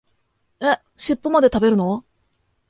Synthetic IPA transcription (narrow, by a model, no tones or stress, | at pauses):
e | ɕipːomad̪e̞t̪abe̞ɾɯ̟no̞